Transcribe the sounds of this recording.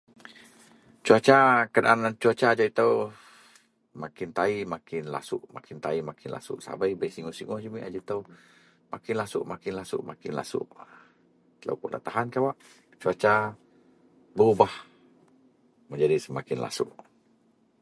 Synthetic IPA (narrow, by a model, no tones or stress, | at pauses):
t͡ʃuat͡ʃakədaʔanant͡ʃuat͡ʃad͡ʒait̪əw | makɪnt̪aimakɪnla̰sʊʔma̰kʰɪnt̪aimakɪnla̰sʊ̰ʔsa̰bajbəijsiŋɔhsiŋɔhd͡ʒimiʔad͡ʒait̪əw | makɪnlasʊ̰ʔmakɪnlasʊ̰ʔmakɪnla̰sʊ̰ʔ | t̪ələ̰wkuʔlʔa̰ʔt̪aɦankawaʔ | t͡ʃuat͡ʃa | bəubah | məɲd͡ʒadisəmakɪnla̰sʊ̰ʔ